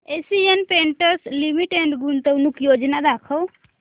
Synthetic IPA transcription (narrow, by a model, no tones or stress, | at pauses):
esiɛnpeɳʈəɾslimiʈeɳɖɡunt̪eunukjod͡ʒnad̪akʰɔw